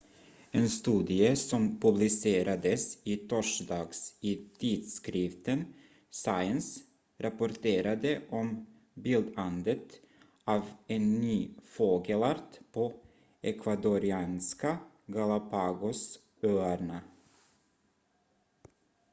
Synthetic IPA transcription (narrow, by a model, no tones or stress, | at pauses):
eːnst̪ʉːd̪ɪəsɔmpʰɵblɪseːɾʔad̪əsiːt̪ʰɔʂd̪ɑːɡsiːt̪ʰiːd̪skɾɪft̪ən | saɪəns | ɾapʊɾʈeːɾad̪əʔɔm | biːld̪and̪ət̪ | ʔɑːvenːyːfoːɡəlaɾt̪pʰo | ɛkʰvad̪ʊɾɪɑːnska | ɡalapʰɑːɡʊs | øːæɾɳa